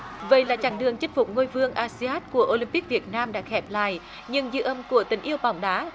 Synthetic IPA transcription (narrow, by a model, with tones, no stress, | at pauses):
və̰˧˩˨jlaː˨˩t͡ɕaː˧˩ŋɗɨ˨˩əŋt͡ɕi˦˥k̚fʊ˨˩k͡p̚ŋo˧jvɨ˧əŋʔaː˧si˧aː˦˥t̚ku˧˩əʔo˧li˧mpi˦˥k̚vi˨˩ət̚naː˧mɗa̰ː˧˥xɛ˨˩p̚la̰ː˧˨j | ɲɨ˧ŋzɨ̰˧˦ʔə˧mku˧˩ət̪ï˨˦ŋ̟ʔi˧əwɓa˨˩wŋ͡mɗaː˨˦